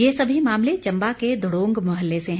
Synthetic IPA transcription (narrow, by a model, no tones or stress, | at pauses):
jesɐbʱimaːmlet͡ʃɐ̃mbaked̪ʱʊɽõːŋɡmɐɦəlːeseɦ